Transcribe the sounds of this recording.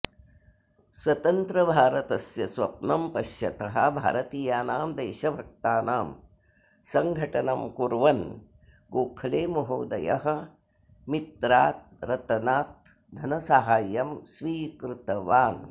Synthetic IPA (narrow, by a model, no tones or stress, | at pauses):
sʋɐt̪ɐnt̪ɾɐbʱaːɾɐt̪ɐsjɐsʋɐpnɐmpɐʃjɐt̪ɐɦɐbʱa̰ːɾɐt̪iːjaːnaːmd̪eːʃɐbʱɐk̚t̪aːnaːm | sɐŋɡʱɐʈɐnɐmkuɾʋɐn | ɡoːpʰɐleːmɐɦoːd̪ɐjɐ̰ɦɐ̆ | mit̪ɾaːt̪̚ɾɐt̪ɐnaːt̪̚ | d̪ʱɐnɐsaɦaːjːɐmsʋiːkɾut̪ɐʋaːn